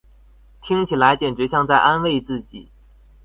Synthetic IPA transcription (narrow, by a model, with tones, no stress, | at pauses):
t̪ʰi˥ŋt͡ɕʰi˨˩la˧˥ɪt͡ɕjɛ˨˩nʈ͡ʂɻ̩˧˥ɕjɑ˥˧ŋt͡sa˥˩ɪʔa˥nwe˥˧ɪt͡sɹ̩˥˩t͡ɕḭ˨˩˦